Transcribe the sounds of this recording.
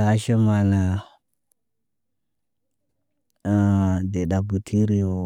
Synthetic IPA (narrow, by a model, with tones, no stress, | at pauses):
a˨˦ʃe˦ma˨na˨ | de˨ɗa˨bu˨tʰi˦ɾi˨o˨